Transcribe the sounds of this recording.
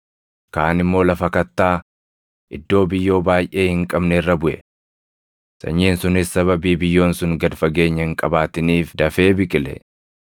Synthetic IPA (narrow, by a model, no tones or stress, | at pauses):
kaːnɪmːo̞ːlɐfɐkɐt̪ːaː | ʔɪd̪ːo̞ːbɪjːo̞ːbaːjʔe̞ːhɪŋkʼɐbnɛɪrːɐbʊʔɛ | sɐ̰ɲːiːnsʊnɪsːɐβɐbiːbɪjːo̞ːnsʊŋɡɐd̪fɐɡe̞ːɲːɐhɪŋkʼɐbaːt̪ɪniːfd̪ɐfe̞ːbɪkʼɪlɛ̰